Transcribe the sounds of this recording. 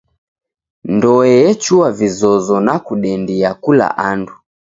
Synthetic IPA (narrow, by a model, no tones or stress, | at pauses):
ndɔɛjɛt͡ʃuavizɔzɔnakuɗɛndiakula̰ʔandu